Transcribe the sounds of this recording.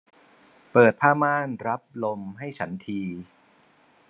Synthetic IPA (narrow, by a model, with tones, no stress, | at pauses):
pɤː˨˩t̪̚pʰaː˥˩maː˥˩nɾa˦˥p̚lo˧mɦa˥˩jt͡ɕʰa˦˥nt̪ʰiː˧